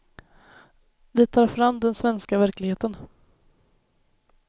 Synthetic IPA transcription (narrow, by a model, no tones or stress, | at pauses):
vɪt̪ʰɑːɾfɾamd̪ɛnsvɛnskavæɾklɪɡheːt̪ən